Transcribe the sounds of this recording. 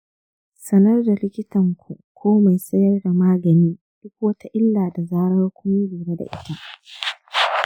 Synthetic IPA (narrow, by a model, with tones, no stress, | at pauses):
sɐ˦nɐ˦rda˨lɪ˦kʲɪ˦tɐ˨ŋkʷʰu˨kʷʰoː˦ma˨jsɐ˦jɐ˦rda˨maː˦ɡɐ˨niː˦ | d̥ʊ˦kʷwoː˦tʰa˦ʔɪ˦lːaː˨da˨zaː˦ɽɐ˦rkʷʊ˦miː˦biː˨ɾa˦da̰˨ʔɪ˦ta˦